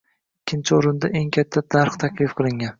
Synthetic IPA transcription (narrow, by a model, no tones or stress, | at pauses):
ɪkʲʰːɪnt͡ʃʰɪoɾɪnd̪aʔe̞ŋkʲʰat̪ʰːad̪̥aɾqt̪ʰakʲlɪfqʰɨlˠɪŋʲan